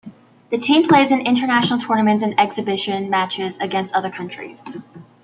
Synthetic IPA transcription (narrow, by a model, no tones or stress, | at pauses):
ðɨtʰĩmpʰl̥eɪzɨ̃nɪ̃ntə˞næʃn̩l̩ˠtʰɔɹnəmɨ̃ntɨ̃nɛksɨbɪʃɨ̃nmæt͡ʃɪzɨɡɛ̃nstʌðə˞kʰʌ̃nt͡ʃɹ̥ḭz̥